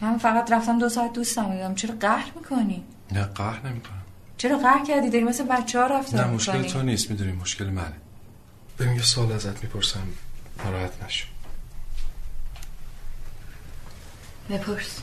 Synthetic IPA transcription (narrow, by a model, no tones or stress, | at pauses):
mæmfæɣæt̪ræft̪æmd̪osɒæt̪̚d̪uːst̪æmeæmt͡ʃʰeɾɒɢæhɾmiːkʰoniː | næɢæhɾnemiːkʰonæm | t͡ʃʰe̞ɾɒːɢæhɾcʰæɾd̪iːd̪ɒɾimesebæt̪t͡ʃʰːeɒːɾæft̪næmoʃkːelet̪ʰoniːst̪mid̪unimoʃcʰelemæne | b̥eɾimʰesoɒːlæzæt̪ʰmipʰoɾsæmnɑɾɒːhæt̪ʰnæʃo̥ | mepʰoɾs